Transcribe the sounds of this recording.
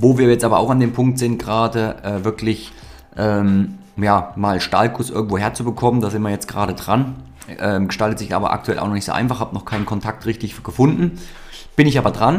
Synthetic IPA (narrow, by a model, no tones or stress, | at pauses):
voːviːɐjɛt͡stʔaːbɐaʊxandeːmpʰʊŋk̚tz̥ɪntɡ̥əʁaːdəʔɛːvɪɐklɪç | ʔɛːm | jaːmaːlʃta̰lkʰʊsʔɪ̰ɐɡŋ̩tv̥oːheːɐt͡subəkʰɔməndaːzɪntmiːɐjɛt͡sɡ̥əʁaːɾədʁan | ʔɛːmɡə̥ʃtaltətz̥ɪça̰ːbɐ̰ʔa̰k̚tʰuɛla̰ʊnɔχnɪçtz̥o̰ːʔaɪnfaχhaːbənɔχkʰaɪnənkʰɔntʰak̚tʁɪçtɪçɡ̥əfʊndn̩ | b̥ɪnɪçʔaːbɐdʁan